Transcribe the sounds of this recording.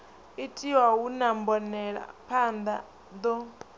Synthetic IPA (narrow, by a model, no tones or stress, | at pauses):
itʰiwawunambɔnɛɺa̰pʰand̪a | d̪ɔ